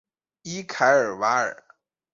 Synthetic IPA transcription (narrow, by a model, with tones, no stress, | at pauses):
i˥kʰa˧˥ɪə˞˨˩wa˧˥ə̰˨˩˦